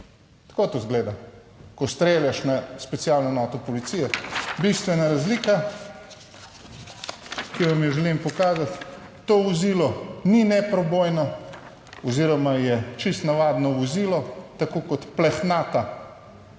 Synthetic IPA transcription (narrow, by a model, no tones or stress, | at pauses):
t̪kot̪ozɡleːd̪a | kɔst̪ɾeːljaʃnaspɛt̪sijalnɔnɔt̪ɔpɔlit̪sijɛbist̪ʋɛnaɾazlika | kiʋamjɛʒɛlimpɔkaːzat̪ː | oːʋɔzilɔninɛpɾɔbojnɔ | ɔziːɾɔmajɛt͡ʃist̪naʋaːd̪nɔʋɔziːlɔt̪akokɔt̪plɛxnaːt̪a